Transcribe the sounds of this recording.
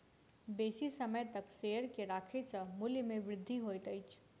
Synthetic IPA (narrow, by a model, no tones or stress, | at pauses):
beːsisəməjt̪əksejəɾkeɾaːkʰesəmuljmeʋɾɪd̪ʱːiɦojt̪əjt͡ʃʰ